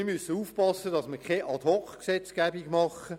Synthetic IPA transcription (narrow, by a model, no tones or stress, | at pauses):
mysəuːfpɑsːədɑsməkʰɛʔɑd̪ɔkksɛt͡sɡ̥æbiɡmɑχə